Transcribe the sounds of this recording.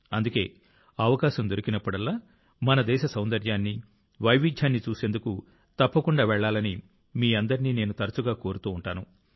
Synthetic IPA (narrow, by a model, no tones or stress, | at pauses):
ɐnd̪uke̞ː | ɐʋɐkaːʃɐmd̪oɾikinɐpːuɽɐlːaː | mɐnɐd̪ɛːʃɐsɐwnd̪ɐɾjaːnːi | ʋɐjʋid͡ʒ̪ʱjaːnːit͡ʃuːse̞ːnd̪uku | t̪ɐpːɐkuɳɖaːʋɛɭːaːlɐni | miːɐnd̪ɐɾiniːne̞ːnut̪ɐɾɐt͡ʃuɡaːko̞ːɾut̪uːɳʈaːnu